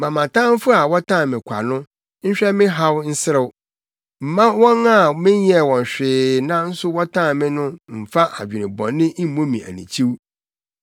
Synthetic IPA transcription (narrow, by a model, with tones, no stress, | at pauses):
mã˨mã˨tʰã˦m˦fʊ˦a˨wɔ˦tʰã˦˨mɪ̃˨kʷʰa̰˨nʊ̃˦ | ɲ̩˦ɕᶣɛ˦mɪ̃˦ɦa˦wn̩˦sɪ˦ɾɪ˨˦w | m̩˨mã˦wɔ̃˦na˦˨mɪ̃˦ɲjɛ˦˨wɔ̃˨n˨ɕᶣɪː˨nã˦n̩˦sʊ˦wɔ˦tʰã˦˨mɪ̃˦nʊ̃˦m̩˨fa˦ʔa̰˨d͡ʑᶣɪ˨nɪ̰̃˨bɔ̰̃˨nːɪ̃˦ʔi˦m˦mõ˦mĩ˨æ̰˨nḭ̃˨t͡ɕʰi˦w